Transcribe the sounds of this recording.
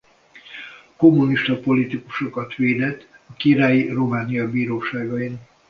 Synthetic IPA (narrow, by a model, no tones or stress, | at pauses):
ko̞mːuniʃt̪ɒpo̞lit̪iku̥ʃo̞kɒt̪ʋeːd̪ɛt̪ːɒkiɾaːjiromaːnijɒbiːɾoːʃaːɡɒin